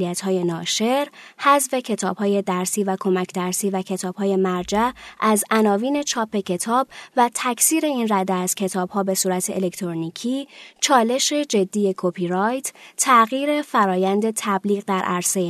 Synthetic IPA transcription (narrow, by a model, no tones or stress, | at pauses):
iæt̪hɒːjenɒːʃe̞ɾhæzve̞cʰe̞t̪ʰɒːb̥hɒːje̞d̪æɾsiːvækʰo̞mæcʰd̪æɾsiːvæcʰe̞t̪ʰɒːb̥hɒːje̞mæɾd͡ʒæʔæzʔænɒːviːne̞t͡ʃʰɒːpʰe̞cʰe̞t̪ʰɒːb̥væt̪ʰæcʰsiːɾe̞iːnræd̪eæz̥cʰe̞t̪ʰɒːb̥hɒːbe̞suːɾæt̪ʰe̞ʔelekt̪ʰɾonicʰiːt͡ʃʰɒːle̞ʃe̞d͡ʒe̞d̪ːiːje̞kʰopʰiɾɒjt̪ʰt̪ʰæɣiːɾe̞fæɾɒːjænd̪e̞t̪ʰæbliːɣd̪æɾʔæɾsee